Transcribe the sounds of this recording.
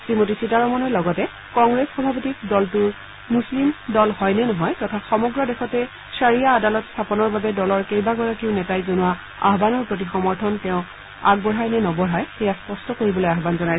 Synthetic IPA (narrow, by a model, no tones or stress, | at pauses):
sɹimotisitaɹɔmɔnɔlɔɡɔtɛ | kɔŋɡɹesxɔbʱapotik̚dɔltʊɹ | muslimdɔlhɔjnɛnɔɦɔjtɔtʰaxɔmɔɡɹɔdɛxɔtɛ | saɹijaːdalɔtstʰapɔnɔɹbabɛdɔlɔɹkejbaɡɔɹakiʊnɛtajzonʊwa | a̰ɦbanɔɹpɹot̬ixɔmɔɹtʰɔntɛʊ̃ | a̰ɡ̚bɔɦajnɛnɔbɔɹajxɛjaspɔstɔkoɹibɔlojaɦbanzɔnaj